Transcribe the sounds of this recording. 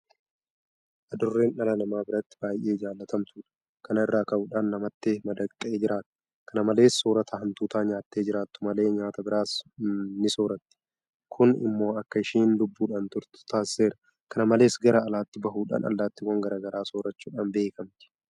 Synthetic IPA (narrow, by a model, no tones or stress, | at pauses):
ʔɐd̪ʊrːeːnʔɐlɐnɐmaːbɪɾɐt̪ːɪ̥baːjʔe̞ːɪd͡ʒaːlːɐt̪ʰɐmt̪uːᶑɐ̥ | kʰɐnɐɪrːaːkɐuːᶑaːnːɐmɐt̪ːemɐd̪ɐkʼt̪ʼːeːd͡ʒɪɾʔaːt̪ʊ̥ | kʰɐnɐmɐle̞ːsːoːɾɐt̪ʰɐhɐnt̪uːt̪aːɲaːt̪ːe̞ːd͡ʒɪɾaːt̪ːʊ̥mɐle̞ːɲaːt̪ɐbɪɾaːsnɪsoːɾɐt̪ːɪ̥ | kʰʊnɪ̰mːo̞ːɐkːɐɪʃiːnlʊbːuːᶑaːnt̪ʊɾt̪ʊ̥t̪aːsːe̞ːɾɐ̥ | kʰɐnɐmɐle̞ːsɡɐɾɐːlaːt̪ːɪbɐɦuːᶑa̰ːnɐ̰lːaːt̪ːɪwɐŋɡɐɾʔaːɡɐɾaːsoːɾɐt͡ʃːuːᶑaːnbe̞ːkɐmt̪ɪ̥